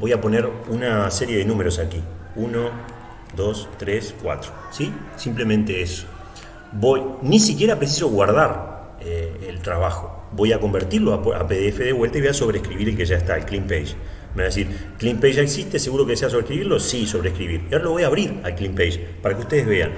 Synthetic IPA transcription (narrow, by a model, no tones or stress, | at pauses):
bo̞japo̞neɾunase̞ɾje̞ðe̞nũmeɾo̞sakiuno̞ | d̪o̞st̪ɾeskwa̰t̪ɾosisimple̞mẽnt̪e̞eso̥ | bo̞jnisikje̞ɾapɾes̬iso̞ɣwaɾð̞aɾ | eelt̪ɾaβaxo̞ | bo̞jako̞mbeɾt̪iɾloaa̰peðeefe̞ðeβwe̞lt̪aiβojaso̞βɾeːhkɾiβiɾelke̞ʒaest̪aelklimpejʒ | meaðes̬iɾ | klimpejʒaeksist̪ese̞ɣuɾo̞keðeseas̬oβɾehkɾiβiɾlo̞siso̞βɾeːhkɾiβiɾjaoɾalo̞βo̞jaːβɾiɾa̰lklimpejʒpaɾakeuht̪e̞ðezβe̞a̰n